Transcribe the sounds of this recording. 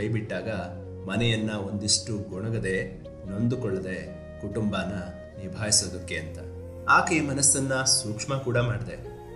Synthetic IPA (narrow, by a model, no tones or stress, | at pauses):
ɐjbiʈːaːɡɐ | mɐnɛjɐnːɐo̞nd̪iʂʈuɡɔɳɐɡɐd̪e̞ | no̞nd̪ukɔɭːɐd̪e̞ | kuʈumbaːnːɐ | niɾbʱaːjisoːd̪ɐkːeɐnt̪ɐ | aːkɐimɐnɐsːɐnːɐsuːkʂmɐkuːɽɐmaːɽid̪e̞